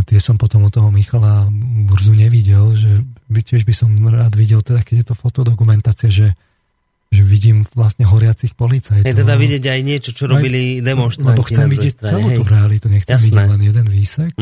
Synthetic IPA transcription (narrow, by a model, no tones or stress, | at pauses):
at̪ɪɛsɔmpɔt̪ɔmut̪ɔɦɔmixalabuɾzuɲɛʋiɟɛlʒɛcɪɛʒbisɔmɾaːd̪ʋiɟɛlt̪ɛd̪akɛɟjɛt̪ɔfɔt̪ɔd̪ɔkumɛnt̪aːt͡siaʒɛ | ʒɛʋiɟiːmʋlasɲɛɦɔɾɪat͡sixpɔlit͡sajt̪ɔt̪ɛd̪aʋiɟɪɛɟajɲɪɛt͡ʃɔt͡ʃɔɾɔbilid̪ɛmɔnʃt̪lɛbɔxɛmʋiɟɪjɛc̚t͡sɛluːt̪uɾɛalit̪uɲɛxt͡sɛmʋiɟɛlɛnjɛd̪ɛnʋiːsɛk